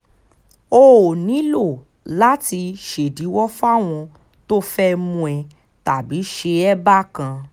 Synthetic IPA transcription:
o˦˧o˨nĩ˨˦lo˦˨ | la˨˦ti˧ʃe˨di˨˦wɔ˦fa˦˨w̃ɔ̃˧ | to˦fɛ˦mũ˧ɛ˧ | ta˨bi˨˦ʃe˧ɛ˦ba˦kã˧

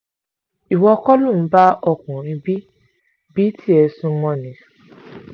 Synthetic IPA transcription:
i˨wɔ˧kɔ˦lũ˦˨˦ba˦ɔ˧˨kũ˨ɾĩ˧bi˦ | bi˦tʰi˦ɛ˧sũ˧mɔ̃˧nĩ˨˦

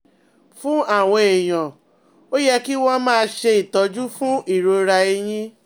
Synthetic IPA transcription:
fũ˦a˦˨w̃ɔ̃˧e˨j̃ɔ̃˨ | o˦jɛ˦ki˦w̃ɔ̃˦˧mãː˦˧ʃe˧i˨tɔ˨˧d͡ʒu˦fũ˦i˦˨ɾo˧ɾa˧e˧j̃ĩ˦

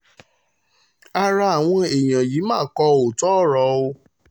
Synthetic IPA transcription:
a˧ɾa˧a˨w̃ɔ̃˧e˨j̃ã˨ji˨˦mãː˦˨˦kɔ˧o˨tɔ˦˨ɾɔ˨˧˦o˧

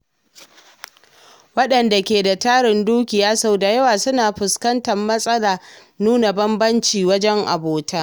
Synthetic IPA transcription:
wɐ˦ɗɐ˨nda˨kʲeː˨da˨taː˦ɽɪ˨nduː˦kʲɪ˨jaː˦sa˦˨wda˨jɐ˦waː˨sʊ˦naː˨ɸɪ˨skɐ˦ntɐ˨mːɐ˦sʼɐ˦laː˨ | nuː˦na˨bɐ˦mbɐ˦nt͡ʃiː˨wɐ˦d͡ʒɛ˦ŋʔa̰˨boː˨taː˦

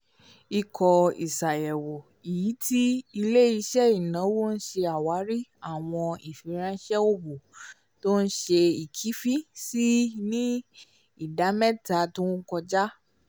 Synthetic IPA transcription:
i˦kʰɔ˧ḭ˨sa˨jɛ˨wo˨ | i˨ji˨˦tʰi˦i˧le˦i˧ʃɛ˦i˦˨nã˨˦wo˦n̩˦ʃe˧a˨wa˨˦ɾi˦a˦˨w̃ɔ̃˧i˨fi˨˦ɾ̃ã˧˦ʃɛ˦o˦bo˨ | to˦n̩˦ʃe˧i˨kʰi˨˦fi˦si˦nĩ˦ | i˦˨da˨˦mɛ̃˦ta˨˦tu˦n̩˦kɔ˧d͡ʒa˦

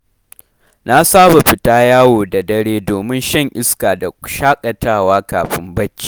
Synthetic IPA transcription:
na˦saː˦ba˨ɸɪ˨taː˦jaː˦woː˨da˨dɐ˦ɽeː˦doː˨mɪ˦nʃɐ˦˨ŋʔɪ˦skaː˨da˨ʃaː˦kʼɐ˨taː˦˨waː˦kaː˨ɸɪ˦mbɐ˦t͡ʃːi̥ː˨

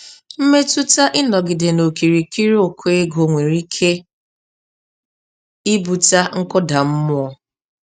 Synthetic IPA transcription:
m̩˦me˦tu˦ta˦ʔɪ˦nɔ˨ɡɪ˨de˨no˨ki˨ɾi˨ki˦ɾi˦o˨kʰʊ˦e˦ɡo˨ŋʷe˨ɾi˦kʰe˦ | i˦bu˨ta˦ŋ̩˦kʊ˦da˨m̩˦mʊ˦ɔ˦

